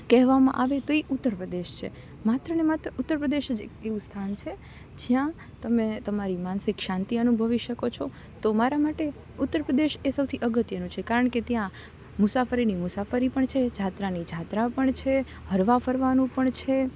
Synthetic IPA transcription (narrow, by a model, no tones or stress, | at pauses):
kɛɦʋamã̰ʔaʋet̪oiʔʊt̪ːəɾpɾəd̪eʃt͡ʃʰḛ | mat̪ɾənemat̪ɾəʔʊt̪ːəɾpɾəd̪eʃd͡ʒeeʋũst̪ʰant͡ʃʰe | d͡ʒjã | t̪əmet̪əmaɾimansɪkʃãnt̪iənubʱəʋiʃəkot͡ʃʰo | t̪omaɾamaʈe | ʊt̪ːəɾpɾəd̪eʃesəwt̪ʰiʔəɡət̪jənũt͡ʃʰekaɾəɳket̪jã | mʊsafəɾinimʊsafəɾipəɳt͡ʃʰed͡ʒʱat̪ɾanid͡ʒʱat̪ɾapəɳt͡ʃʰe | ɦəɾʋafəɾʋanũpəɳt͡ʃʰe